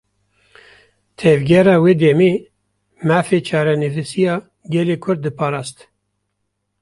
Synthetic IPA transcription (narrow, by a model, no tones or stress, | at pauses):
t̪ʰɛvɡʲɛɾɑːweːd̪ɛmeː | mæːfet͡ʃʰɑːɾɛnɨvisijɑː | ɡɛleːkʰʊɾd̪̚dːɨpʰɑːɾɑːst̪